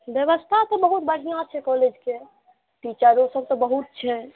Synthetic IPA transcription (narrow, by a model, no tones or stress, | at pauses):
bjəβəst̪ʰat̪ɔbəɦut̪bəɽ̤ijãt͡ʃʰɛkɔɦled͡ʒke | ʈit͡ʃaɾõsəb̚t̪ɔbəɦut̪̚t͡ʃʰɛ